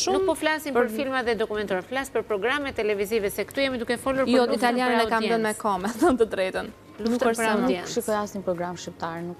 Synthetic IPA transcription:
ʃunumkpɔflasinpəɾfilmaðɛd̪ɔkumɛnt̪ɔɾɛflasipəɾpɾɔɡɾamɛt̪ːɛlɛvizivɛsɛkt̪ujɛmid̪ukɛfɔluɾjɔit̪aljaninɛdkamɛənmɛkɔmɛθɔnt̪əd̪ɾɛt̪ən | lunfut̪pəɾanjɛnʃikɔasinpɾɔɡɾamʃip̚t̪aɾnu

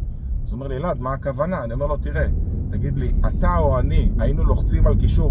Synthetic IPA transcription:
zome̞ʁlilad̪maːkavanaːnio̞me̞ʁlo̞t̪iʁe̞t̪aɡid̪liat̪aoaniainuloχt͡simalkiʃuʁ

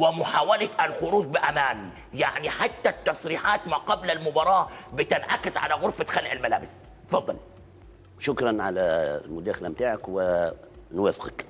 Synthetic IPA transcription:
wɪmʊħaːwalaʔlxʊɾuːdbɪʔamaːn | jaʕniħat̪ːat̪ːɑsˤɾiːħaːt̪maːqɑblalmʊbɑɾˤɑːbɪt̪ɪnʕa̰kɪzʕa̰laɣʊɾfat̪xalːʔɪlmala̰ːbɪs | t̪fɑðˤːɑ̰l | ʃʊkɾˤɑnʕa̰lalmʊd̪aːxalamt̪aːʕakwɪ | nwaːfɪ̥qak

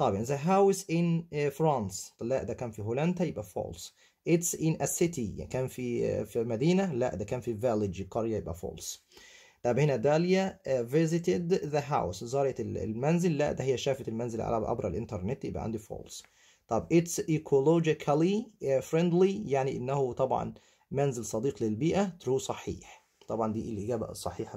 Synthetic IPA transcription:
t̪ˤɑjbʔɪnzæɦawsʔɪnfɾɑːnslæʔd̪ækæːnfiɦulænd̪æjebʔæfo̰ːls | ʔɪt̪sʔɪnʔæsɪt̪ikæːnfifimæd̪iːnælæ̰ʔd̪ækæːnfivælɪd͡ʒkɑɾjæjebʔæ̰fo̰ːls | d̪̥æbhenæd̪æljævɪzɪt̪ɪd̪ðæɦawszˤɑːɾjɑt̪l̰lmænzɪlːæʔd̪æhejːæʃæːfæt̪elmænzɪlʕa̰læ̰ʔɑ̰bɾˤɑʔlʔɪnt̪ɑɾˤnet̪ːjebʔæ̰ʕa̰nd̪ifo̰ːls | t̪ˤɑbʔɪt̪sʔikʰolod͡ʒɪkʰælifɾend̪lijaʕniʔenːæhut̪ˤɑbʕɑ̰n | mænzɪlsˤɑd̪iːqlelbiːʔæt̪ɾuːsˤɑħḭːħ | t̪ˤɑbʕɑnd̪iːʔelʔɪɡæːbæ̰sˤɑħiːħ

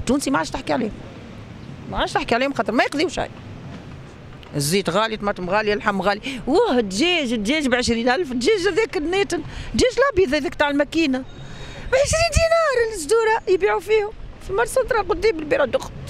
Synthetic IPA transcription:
t̪ːuːnsimaʕaːʃt̪ɪħkiʕliːhʊm | maʕaːʃt̪ɪħkiʕaliːhʊmxɑːt̪əɾmæjəqd̪iwʃa̰j | əzːiːt̪ɣɑlit̪mɑt̪əmɣɑlilħamːɣæliwæht̪ʒɛʒt̪ʒɛːʒbʕəʃɾiːnʔælft̪ʒɛːʒæðiːknːet̪ənt̪ʒɛːʒlɑbjiðæðɛːkt̪aːʕəlmækiːna | bʕəʃɾiːnd̪iːnɑːɾˤlsd̪uːɾajbiːʕufiːhʊmfimɑɾˤsɑt̪ɾˤɑqʊd̪ːiːmbəlbiɾad̪ʊxt̪

